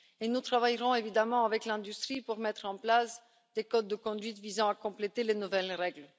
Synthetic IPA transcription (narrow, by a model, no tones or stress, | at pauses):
enut̪χavajʁɔ̃evid̪amɑ̃avɛklɛ̃d̪yst̪χipuʁmɛt̪χɑ̃plas | d̪̥ekɔt̪̚d̪əkɔ̃d̪ɥit̪vizɑ̃akɔ̃plet̪elenuvɛlʁɛɡl